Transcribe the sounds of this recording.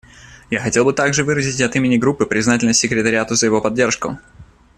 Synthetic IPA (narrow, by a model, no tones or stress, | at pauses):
jaxɐtʲe̞lˠbɨt̪aɡʐɨvɨɾəzʲɪtʲɐt̪imʲɪnʲɪɡɾupːɨpɾʲɪznatʲɪlʲnəsʲːɪkɾʲɪt̪əɾʲɪat̪ʊzəjɪvo̞pɐdʲːe̞rʂkʊ̰